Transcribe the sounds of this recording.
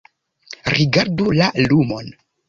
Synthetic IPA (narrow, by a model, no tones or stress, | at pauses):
ɾiɡaɾdulalumo̞n